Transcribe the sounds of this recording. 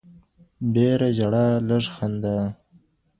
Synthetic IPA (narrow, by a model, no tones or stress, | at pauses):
ɖeɾad͡ʒaɽaləʐxand̪a